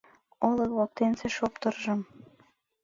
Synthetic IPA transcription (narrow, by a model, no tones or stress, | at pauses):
ɤlɤkβok̚t̪enseʃopt̪ɤ̆rʒɤ̆m